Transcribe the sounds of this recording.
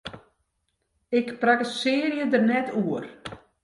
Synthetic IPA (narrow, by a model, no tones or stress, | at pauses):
ɪkprakəsɪːərjədərnɛtʰuər